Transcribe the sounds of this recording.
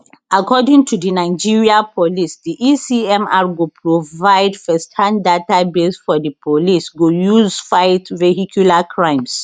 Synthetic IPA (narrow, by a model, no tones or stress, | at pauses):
akʰɔdĩŋtʰudinaɪd͡ʒiɹiapʰɔlisdiʔisiɛ̃maɹɡopʰɹovaɪdfɛsthãndatabesfɔdəpʰolisɡojuzfaɪtvehikʰjulakʰɹãɪ̃ms